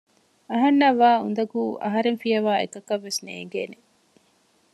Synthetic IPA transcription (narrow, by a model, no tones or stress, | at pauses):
ɐɦɐnːɐʋːaːṵnd̪ɐɡuːʔɐ̰ɦɐɾeŋfijɐʋaːḛkɐkɐʋːesnḛːŋɡeːne